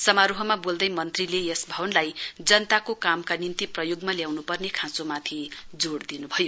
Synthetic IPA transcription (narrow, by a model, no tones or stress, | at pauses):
sʌmaɾuɦʌmabold̪ʌjmʌnt̪rilejesbʱʌbʌnlajd͡zʌnʌt̪akokamkanint̪iprʌjoɡmaljawnupʌrnekʰãsomat̪ʰid͡zoɽd̪inubʱʌjo